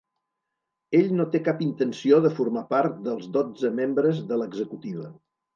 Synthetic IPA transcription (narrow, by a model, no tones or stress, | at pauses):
eʎnot̪ekapint̪ənsioðəfuɾmapaɾt̪d̪əlˠzðod͡zəmembɾəzðələɡzəkut̪iβ̞ə